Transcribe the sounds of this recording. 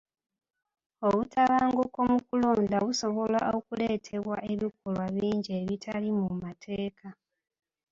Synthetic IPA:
o̞βutaβaːŋɡuko̞mukulo̞ːndaβuso̞βo̞la̰o̞kule̞ːtʰe̞βwaʔe̞βikolwaβiːɲɟeβitʰalimumatʰe̞ːkʰa

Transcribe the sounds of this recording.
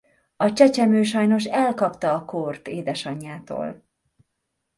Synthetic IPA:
ɒt͡ʃɛt͡ʃɛmøːʃɒjno̞ʃɛlkɒpt̪ɒːkort̪eːd̪ɛʃɒɲːaːt̪o̰ːl

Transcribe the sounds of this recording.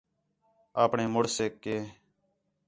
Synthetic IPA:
aːpɳeːmoɽseːkeː

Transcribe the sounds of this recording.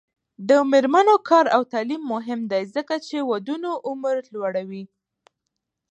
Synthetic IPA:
d̪əmeɾmanokʰɑɾawt̪ɑlimːʊɦɪmd̪ajzəkat͡ʃewad̪unoʔʊməɾlwaɽawi

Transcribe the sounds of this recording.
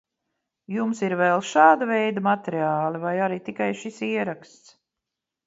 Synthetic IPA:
jumsiɾvɛlˠʃaːd̪avɛjd̪amat̪ɛɾiaːlɛvajaɾit̪ikajʃisiɛɾakst̪s

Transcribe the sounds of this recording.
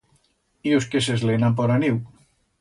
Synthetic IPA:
ioskesezlenamp̬ɔɾaniw

